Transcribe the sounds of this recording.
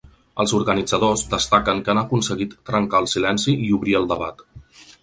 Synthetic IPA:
əlˠzuɾɣənid͡zəð̞ozd̪əst̪akəŋkanəkunsəɣit̪ːɾəŋkaəlˠsilɛnsiiuβɾiəlˠd̪əβa̰t̪

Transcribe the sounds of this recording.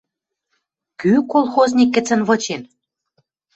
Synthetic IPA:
kykolˠxoznʲikːɘ̆t͡sə̆nβɤ̆t͡ɕen

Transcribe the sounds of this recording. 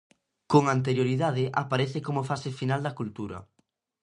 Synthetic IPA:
koŋant̪eɾjoɾiðað̞ɪʔapaɾeθɪkomofasɪfinald̪ɐkult̪uɾɐ̰

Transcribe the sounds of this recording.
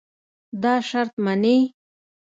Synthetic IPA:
d̪ɑːʃaɾt̪manej

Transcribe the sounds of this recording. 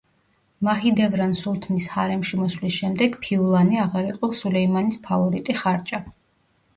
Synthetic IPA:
maɦid̪ɛvɾansulˠt̪ʰnishaɾɛmʃimɔslisʃɛmd̪ɛɡpʰiulˠaniaʁaɾiqʼɔsulɛimanispʰavɔɾit̪ʼiχaɾt͡ʃʼa

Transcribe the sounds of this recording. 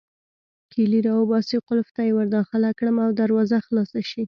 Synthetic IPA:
kʰiliɾɑwəbɑsiqʊlft̪ajewaɾd̪ɑxɪlakɽəmawd̪aɾwɑzaxlɑsaʃi

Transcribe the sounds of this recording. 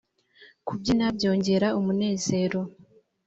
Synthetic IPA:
kubɟinabɟo̞ːɲɟe̞ɾaumune̞ːze̞ːɾo̞

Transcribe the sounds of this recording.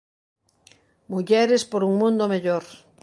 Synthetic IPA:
muʎɛɾɪspoɾuŋmũnd̪omeʎoɾ

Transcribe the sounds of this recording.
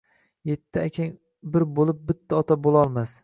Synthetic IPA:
je̞t̪ʰːɪakʲʰaŋ | bɪɾbolˠɪp̚bɪt̪ʰːaɒt̪ʰabolˠɒlˠmas

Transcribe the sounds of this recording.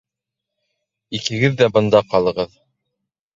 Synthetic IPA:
ikɘ̆ɡɘðːæbɤ̆nd̪ɑqɑlˠɤ̆ʁɤð

